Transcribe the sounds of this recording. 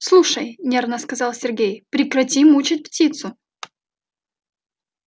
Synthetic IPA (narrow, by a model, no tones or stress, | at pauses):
slˠuʂəjnʲernəskɐzɑlˠsʲɪrɡʲejpɾʲɪkɾɐtʲimut͡ɕɪt̚ʲptʲit̪sʊ